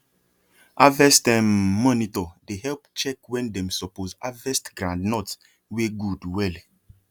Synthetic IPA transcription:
avɛstɛ̃mːɔnitɔdehɛlpt͡ʃɛkwɛ̃ndɛ̃msɔpozavɛstɡɾãndnɔt | weɡudwɛl

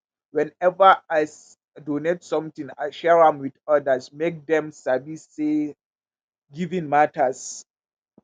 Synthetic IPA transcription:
wɛ̃nɛvaaɪs | donetsɔ̃mtĩŋaʃɛɹãmwidɔdasmek̚dɛ̃msabiːe | ɡivĩnmatʰas

